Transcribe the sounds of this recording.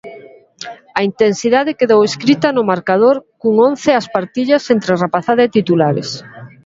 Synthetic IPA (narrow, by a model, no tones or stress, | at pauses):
ɐint̪ensiðaðɪkeðoweskɾit̪ɐnʊmaɾkaðoɾkuŋon̟θeaspaɾt̪iʎɐsent̪ɾerapaθaðaet̪it̪ulaɾḛs